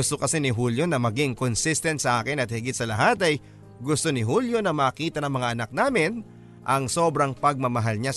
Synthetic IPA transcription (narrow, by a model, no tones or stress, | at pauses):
ʊst̪okɐsɛnɪɦuljo̞nɐmɐɡɪŋkonsist̪ɛnt̪̚sɐʔaːkɪnɐt̪̚hɪɡɪt̪̚sɐlɐɦat̪ɐj | ɡʊst̪o̞nɪɦuljo̞nɐmaːkiːt̪ɐnɐŋmɐŋaʔɐnak̚naːmɪn | ʔɐŋso̞ːbɾɐŋpɐɡ̚mɐmɐɦalɲa